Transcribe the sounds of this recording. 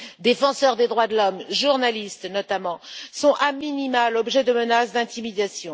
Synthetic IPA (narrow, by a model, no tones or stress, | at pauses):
d̪efɑ̃sœʁd̪ed̪ʁwad̪əlɔmʒuʁnalist̪nɔt̪amɑ̃sɔ̃ʔaminimalɔbʒɛd̪əmənasd̪ɛ̃t̪imid̪asjɔ̃